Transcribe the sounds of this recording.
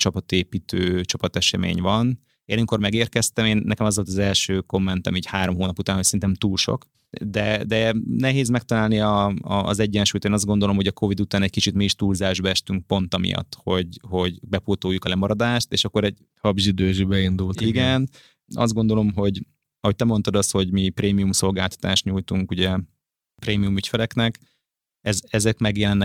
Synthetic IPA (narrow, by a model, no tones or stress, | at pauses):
t͡ʃɒpɒt̪eːpiːt̪ʰøːt͡ʃɒpɒt̪ɛʃɛmḛːɲvɒn | eːnɛmiko̞rmɛɡeːrkɛst̪ɛmeːnːɛkɛmɒzʋo̞lt̪ɒzɛlʃøːko̞mːɛnt̪ɛmiːchaːɾo̞mɦoːnɒput̪aːnhocsɛɾinɛmt̪uːlʃo̞̰k | d̪ɛd̪ɛnɛɦeːzmɛk̚t̪ɒlaːlniɒ̰ːzɛɟːɛnʃuːjt̪eːnɒzd̪ɡo̞nd̪o̞lo̞mhoɟɒkʰo̞vid̪ut̪aːnɛc̚kit͡ʃit̪miiʃt̪uːlzaːʒbɒɛʃt̪yŋk̚po̞nt̪ɒmḭjɒ̰t̪ːho̞ɟho̞ɟbɛpoːt̪oːjukɒlɛmɒɾɒd̪aːʃt̪ḛːʃɒkːoɾɛɟ | hɒbʒid̪øːʒibɛind̪ult̪iɡɛn | ɒ̰zd̪ɡo̞nd̪o̞lo̞mɦo̞ɟ | ɒho̞c̚t̪ɛmo̞nt̪ɒd̪ɒsho̞ɟmipreːmijumso̞lɡaːlt̪ɒ̥t̪aːʃt̪ɲujt̪uŋkuɟɛ | pɾeːmijumycfɛlɛknɛk | ɛzɛzɛkmɛɡjɛlɛnːɛ